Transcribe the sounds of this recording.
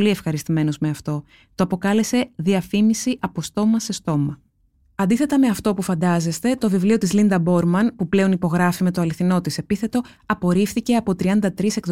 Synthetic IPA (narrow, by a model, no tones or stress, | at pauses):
lie̞fxɐɾist̪ime̞no̞zmeɐft̪o̞ | t̪oɐpo̞kɐle̞se̞ðiɐfimisiʔɐpo̞st̪o̞mɐse̞st̪o̞mɐ | ɐnd̪iθe̞t̪ɐme̞ɐft̪o̞pufɐnd̪ɐze̞st̪e̞t̪o̞vivlio̞t̪izlind̪ɐbo̞ɾmɐnpuple̞o̞nipo̞ɣɾɐfime̞t̪oɐliθino̞t̪ise̞piθe̞t̪o̞ | ɐpo̞ɾifθice̞ɐpo̞t̪ɾiɐnd̪ɐt̪ɾise̞kð